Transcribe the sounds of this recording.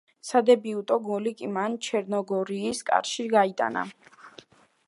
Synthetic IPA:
sad̪ɛbiut̪ʼɔɡɔlikʼimant͡ʃʰɛɾnɔɡɔɾiːskʼa̰ɾʃiɡait̪ʼa̰na̰

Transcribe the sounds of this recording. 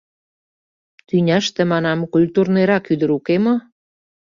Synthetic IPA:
t̪ynʲæʃt̪ə̆mɑnɑmkulʲt̪urneɾɑkyd̪ə̆ɾukemo

